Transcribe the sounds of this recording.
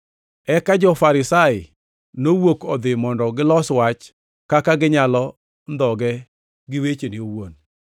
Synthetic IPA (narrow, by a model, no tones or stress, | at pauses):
ɛkad͡ʒɔfaɾɪsaɪ | nowokɔd̪ɪmɔndɔɡɪlɔswat͡ʃ | kakaɡɪɲalɔ | nd̪ɔɡɛ | ɡɪwet͡ʃenɪowon